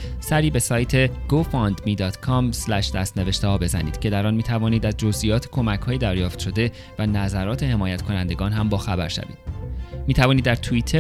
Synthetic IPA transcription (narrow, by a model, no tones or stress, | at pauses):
sæɾiːbe̞sɒːjt̪ʰe̞ɡ̥ofɒnd̪miːd̪ɒːt̪ʰkʰɒmslæʃd̪æst̪ne̞ve̞ʃt̪ehɒːbe̞zæ̰niːd̪̥cʰe̞d̪æɾɒːnmiːt̪ʰævɒːniːd̪æzd͡ʒozʔijɒːt̪ʰe̥kʰo̞mæchɒːjed̪æɾjɒːft̪ʃo̞d̪e̞ | vænæzæɾɒːt̪ʰe̞he̞mɒːjæt̪kʰo̞nænd̪e̞ɡɒːnɦæmbɒːxæbæɾʃæ̰vḭːd̪miːt̪ʰævɒːnid̪ːæɾt̪ʰuiːt̪ʰe